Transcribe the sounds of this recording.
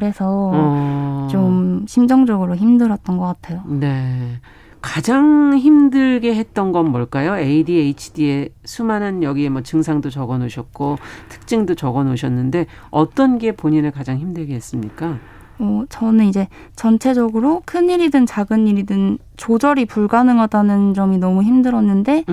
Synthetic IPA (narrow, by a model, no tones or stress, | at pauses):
ɾe̞sʰʌ | t͡ɕomɕʰimd͡ʑʌŋd͡ʑʌɡɯɾoçimdɯɾʌt̚t͈ʌnɡʌk͈atʰe̞jone̞ | kad͡ʑaŋçimdɯɭɡe̞ɦe̞t̚t͈ʌnɡʌnmʌɭk͈ajoeidieit͡ɕʰi̥die̞sʰumanɯnjʌɡie̞mwʌt͡ɕɯŋsʰaŋdot͡ɕʌɡʌnoɕʰʌt̚k͈otʰɯ̥k̚t͡ɕ͈iŋdot͡ɕʌɡʌnoɕʰʌnːɯnde̞ | ʌt͈ʌnɡe̞poɲinɯɭkad͡ʑaŋçimdɯɭɡe̞ɦes͈ɯmɲik͈a | ʌt͡ɕʌnɯnid͡ʑe̞ | t͡ɕʌnt͡ɕʰe̞d͡ʑʌɡɯɾokʰɯniɾidɯnt͡ɕaɡɯniɾidɯn | t͡ɕod͡ʑʌɾipuɭɡanɯŋʌdanɯnd͡ʑʌminʌmuçimdɯɾʌnːɯnde̞